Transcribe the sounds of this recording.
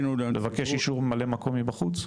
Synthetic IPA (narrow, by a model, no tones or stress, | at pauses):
nulevakeʃiʃuʁemalemako̞mibaχut͡s